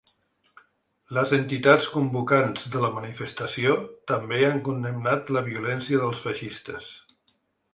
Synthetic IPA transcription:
ləzənt̪it̪at͡skumbukanz̥ðələmənifəst̪əsiot̪əmbeaŋkund̪əmnat̪ləβiulɛnsiəðəlˠsfəʃist̪əs

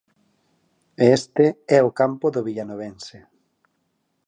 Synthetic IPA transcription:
est̪eɛokampoðoβiʎanoβense

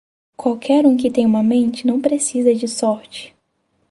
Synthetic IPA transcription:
kwawkʰɛɾũk̬ɪt̪ẽj̃ũmɐmẽnt͡ʃɪnɐ̃w̃pɾesizɐd͡ʒɪsɔɾt͡ʃɪ̥

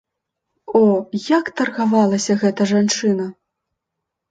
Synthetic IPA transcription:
ɔjakt̪ɐrɣavalˠɐsʲɐɣɛt̪ɐʐant͡ʂɨnɐ

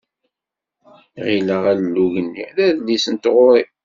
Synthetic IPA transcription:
ʁiləʁællːuʝənːḭðæðlːisənt̪ʁʊɾi

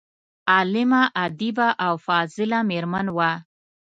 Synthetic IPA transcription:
ɑlɪmaʔad̪ibaʔawfɑzɪlameɾmanwa

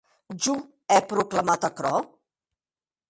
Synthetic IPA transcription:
d͡ʒu | ɛpɾukləmat̪əkɾɔ

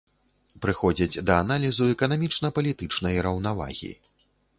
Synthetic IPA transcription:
pɾɨxɔd͡zʲɐd͡zʲd̪ɐanalʲizuɛkɐnamʲit͡ʂnɐpɐlʲit̪ɨt͡ʂnɐjɾɐwnava̰ɣʲḭ

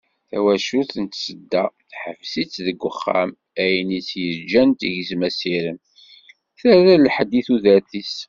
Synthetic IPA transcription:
θæ̰wæʃuθənt̪səd̪ːæθħəfsit͡sːðəɡʷːəχːa̰m | æjənit͡sːjəd͡ʒænt̪iʝəzmæsiɾəm | θæɾælħəd̪ːiθuðæɾθis

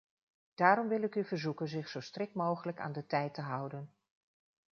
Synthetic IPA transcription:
d̥aːɾɔmʋɪlˠɪkyvəɹzukənzɪχsowstrɪkmowχələka̰ːndətɛjtəɦʌwdən

